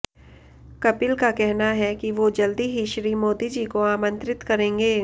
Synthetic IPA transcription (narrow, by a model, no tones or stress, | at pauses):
kɐpɪlkakɛɦnaɦɛkiʋod͡ʒɐld̪iɦiʃɾimoːd̪id͡ʒiːkoaːmə̃nt̪ɾɪt̪kɐɾẽːŋɡeː